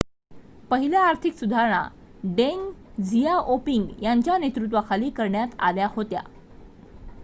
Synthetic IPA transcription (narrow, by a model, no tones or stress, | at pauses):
pəɦiljaːɾt̪ʰiksud̪ʱaɾɳ̃a̰ | ɖeŋɡd͡zijaʔopiŋɡjaɲt͡ɕjanet̪ɾut̪̬ʋakʰaliːkəɾɳjat̪a̰ljahot̪ja̰